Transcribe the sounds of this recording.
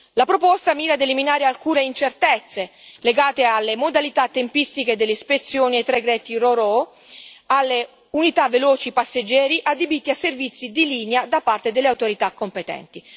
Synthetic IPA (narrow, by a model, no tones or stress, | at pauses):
lapɾopɔst̪amiːɾad̪eliminaːɾealkuːneint͡ʃert̪ɛt̪sːeleɡaːt̪ealːemod̪alit̪at̪ːempist̪iked̪elːespet̪sːjoːniet̪ːɾeɡɾɛːt̪iroɾɔ | alːe | unit̪avːelɔːt͡ʃipasːed͡ʒːɛːɾiʔad̪ːebit̪ːiasːervit̪sːid̪iliːnead̪apart̪ed̪elːeawt̪oɾit̪akːompet̪ɛ̰nt̪i